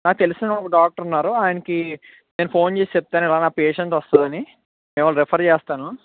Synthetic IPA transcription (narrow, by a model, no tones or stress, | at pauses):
naːk̚ut̪elisinɐɐɔkɐɖaːk̚ʈɐɾunːaːɾuaːjɐnɐki | ne̞ːnupʰo̞ːnt͡ʃe̞ːsi̥t͡ʃep̚t̪aːnuɛlaːnaːpeːʃeɳsɔst̪ud̪ɐni | meːmɐːɾepʰɐɾt͡ʃɛːst̪aːnu